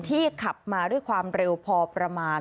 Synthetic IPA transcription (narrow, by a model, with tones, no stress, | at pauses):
nt̪ʰiː˥˩kʰa˨˩p̚maː˧du˥˩əjkʰwaː˧mɾe˧wpʰɔː˧pɾa˧maː˧n